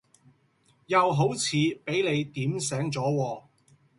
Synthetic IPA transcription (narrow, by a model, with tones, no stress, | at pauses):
jɐ˨wɦo˨˥wt͡sʰiː˨˧pe˨˥jle˨˧jt̪iː˨˥ms̬ɛː˨˥ŋt͡sɔː˨˥wɔː˧